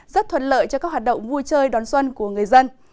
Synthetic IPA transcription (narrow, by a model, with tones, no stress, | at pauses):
zə˦˥t̚t̪ʰwə˨˩t̚lə̰ː˧˨jt͡ɕɔ˧kaː˦˥k̚wa˨˩t̚ɗə̰˧˨wŋ͡mvu˧jt͡ɕəː˧jɗɔ˨˦nswə˧nku˧˩əŋ˨˩əjzə˧n